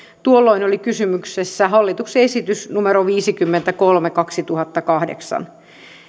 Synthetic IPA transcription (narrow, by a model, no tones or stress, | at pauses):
t̪uolːoinolikysymyksesːæɦɑlːit̪ukseesit̪ysnumeɾoʋiːsikymːent̪ækolmekɑksit̪uhɑt̪ːɑkɑhdḛksɑ̰n